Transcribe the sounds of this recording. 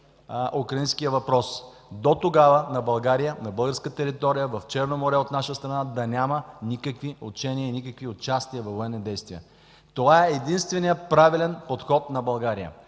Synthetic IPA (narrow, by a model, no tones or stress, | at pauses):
ʔukɾɐinskijəvɐpɾɔs | d̪ot̪oɡavənɐbɐlˠɡaɾijənɐbɤlˠɡəɾskət̪ɛɾit̪ɔɾijəvɐft͡ʃɛɾnomoɾɛot̪naʃəst̪ɾɐnad̪ɐnʲamənikəkviot͡ʃɛniəinikəkviot͡ʃast̪iəvɐvoɛnːid̪ɛjst̪vijə | t̪ovaɛːd̪inst̪vɛnijəpɾavilɛnpot̪xɔt̪nɐbɐlˠɡaɾijə̰